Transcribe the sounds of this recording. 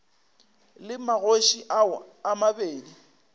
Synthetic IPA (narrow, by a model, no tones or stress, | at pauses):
lɪmaɣoʃiʔaʊamabeːdi